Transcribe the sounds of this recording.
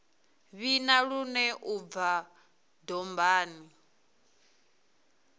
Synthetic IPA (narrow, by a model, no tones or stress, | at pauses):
βinaɺunɛʔub̪va | dɔmbaːni